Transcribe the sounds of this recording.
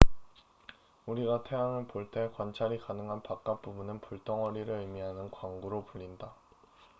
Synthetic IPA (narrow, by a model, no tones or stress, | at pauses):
uɾiɡatʰe̞ɦaŋɯɭpoɭt͈ʰe̞kwant͡ɕʰaɾikanɯŋɦanpak̚k͈ap͈ubunɯnpuɭt͈ʌŋʌɾiɾɯɭɯmiɦanɯnkwaŋɡuɾopuʎːinda